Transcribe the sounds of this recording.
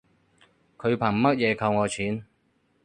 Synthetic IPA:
kʰɵ˨˧ɥpʰaː˨˩ŋmɐ˥t̚jɛː˨˧kʰɐ˧wŋɔː˨˧t͡ɕʰiː˨˥n

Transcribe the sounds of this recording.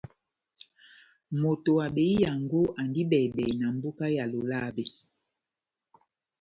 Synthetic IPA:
mo˨to˨a˨ɓe˨˦i˦ja˨ŋɡo˦ʔa˨ndi˦ɓɛ˨ɓɛ˨na˨m̩˦bo˦ka˦ja˨lo˨la˦˨be˨

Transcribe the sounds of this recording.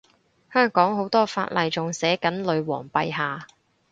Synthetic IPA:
hœː˥ŋkɔː˨˥ŋɦo˨˥wt̪ɔː˥fa̰ː˧t̚lɐ˨jt͡sʊ˨ŋsɛː˨˥kɐ˨˥nlɵ˨˧ɥwɔ̰ː˨˩ŋpɐ˧jɦaː˨

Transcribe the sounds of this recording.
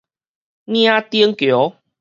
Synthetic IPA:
nj̃ã˦t̪i˦əŋkjo˨˦

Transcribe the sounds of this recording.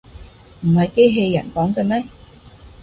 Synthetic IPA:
m̩˨˩hɐ˨jke˥jɦe˧jːɐ̰˨˩nkɔː˨˥ŋkɛ˧mɛː˥

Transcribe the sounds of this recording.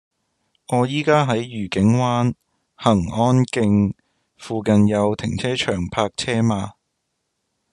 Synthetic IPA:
ŋɔː˨˧jiː˥kaː˥ɦɐ˨˥jjyː˨˩kɪ˨˥ŋwaː˥n | hɐ˨˩ŋɔː˥nkɪ˧ŋ | fuː˨˧kɐ˨˧njɐ˨˧wt̪ʰɪ˨˩ŋt͡sʰɛː˥t͡ʃʰœː˨˩ŋpʰaː˧k̚t͡sʰɛː˥maː˧

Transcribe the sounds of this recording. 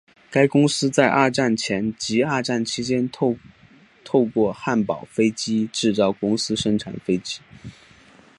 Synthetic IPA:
ka˥ɪkʊ˥ŋsɹ̩˥t͡sa˥˧ɪʔa˥˧ʈ͡ʂa˥˩nt͡ɕʰjɛ˧˥nt͡ɕi˧˥a˥˧ʈ͡ʂa˥˩nt͡ɕʰi˧˥t͡ɕjɛ˥n | t̪ʰo˥˧ʊkwɔ˥˧xa˥˩npɑ˨˩ʊfe˥ɪt͡ɕi˥ʈ͡ʂɻ̩˥˩t͡sɑ˥˩ʊkʊ˥ŋsɹ̩˥ʂɤ˥ŋʈ͡ʂʰa̰˨˩nfe˥ɪt͡ɕi˥

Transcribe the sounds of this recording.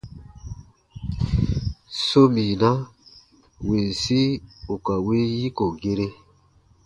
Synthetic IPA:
so˦mi˨na˦ | we˨n̩˨si˦o˨ka˨we˦ji˦ko˨ɡe˦ɾe˦

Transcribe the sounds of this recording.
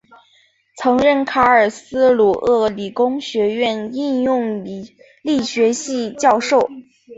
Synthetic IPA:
t͡sʰɤ˧˥ŋɻə˥˩nkʰa˥ə˞˨˩sɹ̩˥lu˨˩ʔɤ˥˩li˨˩kʊ˥ŋɕɥɛ˧˥ɥɛ˥˧ni˥˧njʊ˥˧ŋ | li˥˩ɕɥɛ˧˥ɕi˥˧t͡ɕjɑ˥˧ʊʂo˥˩ʊ

